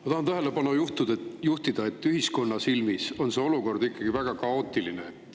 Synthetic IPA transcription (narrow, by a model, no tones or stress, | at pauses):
mɑt̪ɑhɑnt̪æɦe̞lebɑnojuht̪ud̪̥ejuht̪id̪̥ɑe̞t̪ːyɦisko̞nːɑsilmiso̞nse̞o̞luko̞rd̪ikːˑɑɡ̥ivæɡ̥ɑkɑo̞ːt̪ːˑilineet̪ː